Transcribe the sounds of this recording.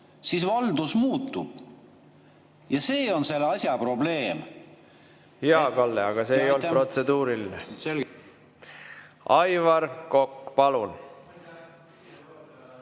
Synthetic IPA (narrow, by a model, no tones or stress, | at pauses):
sisvɑld̪usmuːt̪ːˑub̥ | jɑse̞ːo̞nse̞lɑsʲjɑpro̞ble̞ːm | jɑkɑlːeɑɡ̥ɑse̞ːjo̞lt̪pro̞t̪se̞d̪uːɾilinesel | ʔɑjvɑɾko̞kːpɑlun